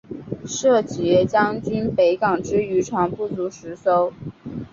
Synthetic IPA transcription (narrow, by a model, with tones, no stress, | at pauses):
ʂɤ˥˩t͡ɕjɛ˧˥t͡ɕjɑ˥ŋt͡ɕi˥npe˧˥ɪkɑ˨˩ŋʈ͡ʂɻ̩˥y˧˥ʈ͡ʂʰwa˧˥ŋpu˥˩t͡su˧˥ʂɻ̩˧˥so˥ʊ